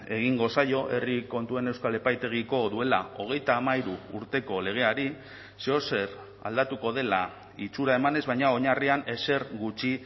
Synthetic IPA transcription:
e̞ɣ̞iŋɡo̞sajo̞ʔe̞riko̞nt̪ue̞ne̞wskale̞pajt̪e̞ɣ̞iko̞ðue̞la̰o̞ɣ̞e̞jt̪aːmaiɾuːɾt̪e̞ko̞le̞ɣ̞e̞aɾi | seo̞se̞r | a̰ld̪at̪uko̞ð̞e̞la | it͡suɾaemane̞zβajɲao̞ɲariane̞se̞ɾɡut͡ʃi

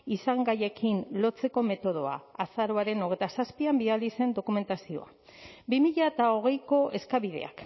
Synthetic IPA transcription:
isaŋɡaje̞kʰinlo̞t͡se̞ko̞me̞t̪o̞ð̞o̞a̰asaɾoaɾe̞no̞ɣe̞jt̪asaspiambiðald̪ise̞nd̪o̞kume̞nt̪asio̞̰a | bimiʎaet̪ao̞ɣ̞e̞jko̞ʔe̞skaβiðe̞̰a̰k

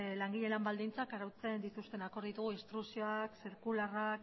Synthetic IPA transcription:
laŋɡiʎe̞lambald̪int͡sakaɾawt͡se̞nd̪it̪ust̪e̞nako̞ɾðit̪uɣ̞uist̪ɾusio̞aksiɾkularak

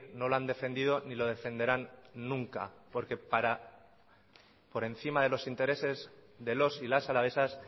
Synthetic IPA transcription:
no̞loand̪e̞fe̞nd̪ið̞o̞nilo̞ð̞e̞fe̞nd̪e̞ɾanːũŋka̰po̞ɾke̞paɾa | po̞ɾe̞n̟θimaðe̞lo̞sint̪e̞ɾe̞se̞zðe̞lo̞silasalaβ̞e̞sas

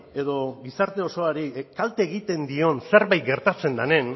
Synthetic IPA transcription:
e̞ðo̞ɡisaɾt̪e̞o̞so̞aɾikalt̪eːɣit̪e̞nd̪io̞nse̞ɾβajt̪̚ɡe̞ɾt̪at͡se̞nd̪ane̞n

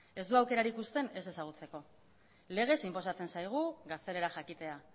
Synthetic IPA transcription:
e̞zd̪uawke̞ɾaɾikust̪e̞ne̞se̞saɣ̞ut͡se̞ko̞ | le̞ɣ̞e̞simpo̞sat͡se̞nsajɣ̞uɣast̪e̞le̞ɾaxakit̪e̞a

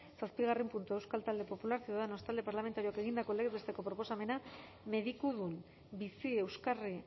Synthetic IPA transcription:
saspiɣarempunt̪ue̞wskalt̪ald̪e̞po̞pulaɾsiððeno̞st̪ald̪e̞paɾlame̞nt̪aɾioake̞ɣ̞ind̪ako̞leɣee̞st̪e̞ko̞pɾo̞po̞same̞na | me̞ðikuðun | bisie̞wskari

